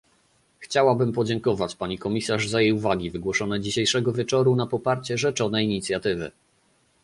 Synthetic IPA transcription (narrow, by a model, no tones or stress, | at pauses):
xt͡ɕawabɘmpɔd͡ʑɛŋkɔvat͡ɕpaɲikɔmʲisaʐzajejuvaɡʲivɘɡwɔʂɔnɛd͡ʑiɕejʂɛɡɔvʲjɛt͡ʂɔɾunapɔpaɾt͡ɕɛʐɛt͡ʂɔnɛjiɲit̪sʲjat̪ɘvɘ̰